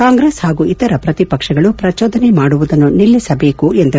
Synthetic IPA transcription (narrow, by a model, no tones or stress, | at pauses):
kaːŋɡɾeshaːɡuit̪ɐɾɐpɾɐt̪ipɐkʂɐɡɐɭupɾɐt͡ʃoːd̪ɐnemaːɽuʋud̪ɐnːunilːisɐbe̞ːkuend̪ɐ